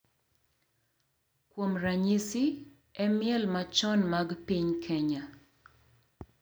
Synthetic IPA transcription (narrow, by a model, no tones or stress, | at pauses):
kwomraɲisi | ɛmɪɛlmat͡ʃɔnmaɡpiɲkʰɛɲa